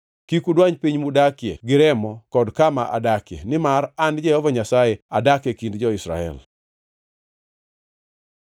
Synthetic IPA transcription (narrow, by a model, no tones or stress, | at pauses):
kikudwaɲpiɲmudakjḛɡɪɾɛmɔkɔdkama̰ʔa̰dakjḛnɪmarand͡ʒɛhɔvaɲasajɛadakekindd͡ʒɔɪsɾa̰ɛ̰l